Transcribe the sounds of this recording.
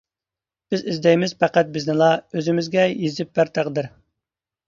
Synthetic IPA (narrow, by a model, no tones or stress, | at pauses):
b̥ɪzɪzd̪ɛjmɪz̥pʰæqæt̪̚bɪznɨlˠɑøzɪmɪzɡʲɛjezɪp̚bæɾt̪ʰæʁd̪ɪɾ